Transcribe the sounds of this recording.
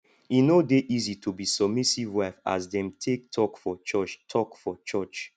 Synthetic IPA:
inodeʔizitʰubisɔb̚misivwafa̰sdɛ̃mtʰek̚tʰɔkfɔt͡ʃɔt͡ʃtʰɔkfɔt͡ʃɔt͡ʃ

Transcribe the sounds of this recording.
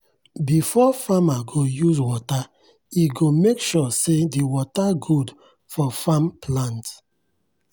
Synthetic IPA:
bifɔfamaɡojuzwɔta | iɡomekʃɔsediwɔtaɡud | fɔfãmplãnt

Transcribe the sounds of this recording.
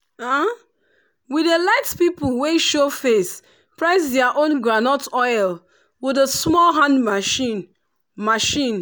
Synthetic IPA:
a | widelaɪtpipəlˠweʃofes | pɹaɪsdɛəʔõnɡɹanɔtɔɪl | widəsmɔlɦãndmaʃi | maʃĩn

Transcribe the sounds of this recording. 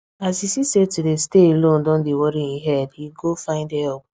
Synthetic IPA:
asisisetudesteelõn̩dɔ̃ndewɔɾiŋiɦɛdiɡofãɪ̃ndɛp̚

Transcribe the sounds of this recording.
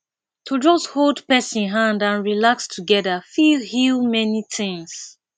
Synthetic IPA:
tʰud͡ʒɔstholdpɛsĩnɦãndãnɹilakstʰuɡɛðafihilmɛnitʰɪ̃ŋs

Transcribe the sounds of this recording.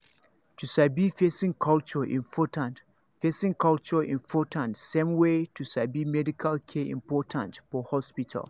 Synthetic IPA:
tʰusabifesĩŋkʰalt͡ʃɔʔḭ̃nfɔtãn | fesĩŋkʰalt͡ʃɔʔḭ̃nfɔtʰãntsẽmwetʰusabimɛdikʰalkʰɛʔḭ̃mpʰɔtʰã̰ntfɔhɔspitʰa̰l

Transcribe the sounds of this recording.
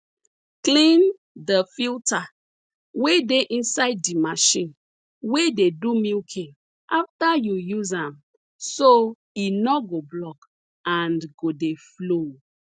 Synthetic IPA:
klĩn | dəfilta | wedeʔĩnsaɪdːimaʃĩn | wededumilkʰĩŋ | ʔaftajujuzãm | so | inɔɡoblɔk | ãnɡodeflo

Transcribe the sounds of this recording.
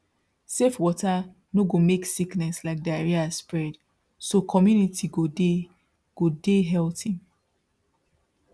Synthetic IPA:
sefwɔta | noɡomeksiknɛslaɪk̚diaɹiaspɹɛd | sokʰɔmjunitʰiɡode | ɡ̥odeɦɛltĩŋ

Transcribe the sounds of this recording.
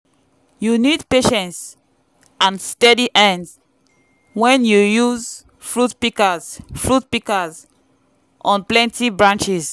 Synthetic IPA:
junidpeʃɛ̃nts | ãnstɛdiʔɛ̃ns | wɛ̃njujuz | fɹutpikazfɹut̚pikaz | ʔɔ̃nplɛ̃ntibɹãnt͡ʃiz

